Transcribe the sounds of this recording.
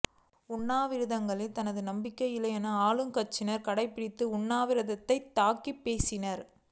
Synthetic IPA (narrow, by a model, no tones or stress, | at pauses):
ʊɳːaːʋɪɾɯðɐŋɡɐɭɪlt̪ɐnɐðɯnɐmbɪkːɐjɪlɐɛnɐaːlɯŋkɐt͡ʃːɪnɐɾkɐɽɐɪpːɪɽɪt̪ːɯʊɳːaːʋɪɾɯðɐt̪ːɐɪt̪ːaːkːipːeːsɪnɐɾ